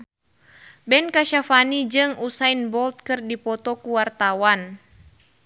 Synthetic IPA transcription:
bɛnkaʃafanid͡ʒɨŋusajnbɔlt̪̚kɨrdipɔt̪ɔkuwart̪awan

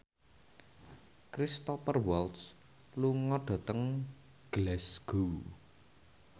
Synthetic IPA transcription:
kɾist̪ɔpərwɔlt̪s | luŋɔɖ̥ɔ̤t̪əŋ | ɡ̥lɛsɡ̥u

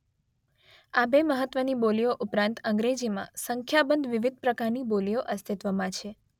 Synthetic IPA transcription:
abeməɦət̪ʋənibolijoʔupɾãnt̪ə̃ŋɡɾed͡ʒimã̰səŋkʰjabənd̪ʱʋiʋid̪̚ʱpɾəkaɾnibolijoʔəst̪ʰit̪ʋəmãt͡ʃʰe

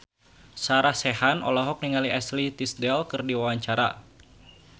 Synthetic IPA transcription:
saɾasɛɦanɔ̰lɔɦɔk̚niŋaliɛslit̪isdɛlkɨrdiwawaɲt͡ʃaɾa̰

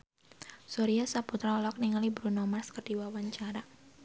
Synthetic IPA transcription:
sɔɾiasaput̪ɾalɔk̚niŋalibɾunɔmarskərdiwawaɲt͡ʃaɾa

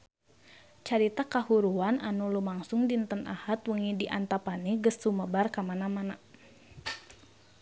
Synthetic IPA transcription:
t͡ʃaɾit̪akahuɾuananulumaŋsʊŋdint̪ənʔa̰hat̪wəŋidiʔant̪apaniɡəsːuməbarkamanamana

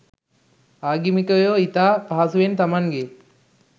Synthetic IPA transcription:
aːɡimikəjoːit̪aːpaɦasuʋent̪amaŋɡe

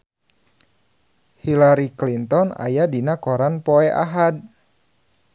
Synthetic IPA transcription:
hilaɾiklint̪ɔna̰jadinakɔɾanpɔɛʔa̰ɦad̚

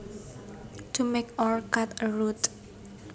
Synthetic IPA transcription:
t̪ʰumekɔɹkat̪əɹut̪

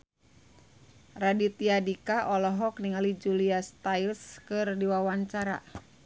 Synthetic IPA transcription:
radit̪iadikaʔɔlɔɦɔk̚niŋalid͡ʒuliast̪ailskɨrdiwawaɲt͡ʃaɾa̰

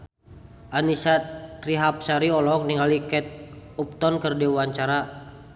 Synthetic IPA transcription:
ʔanisat̪ɾiɦap̚saɾiɔlɔk̚niŋalikɛt̪̚up̚t̪ɔnkərdɛwaɲt͡ʃaɾa

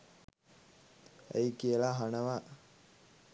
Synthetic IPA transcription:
ḛjkiəlaɦanəʋa

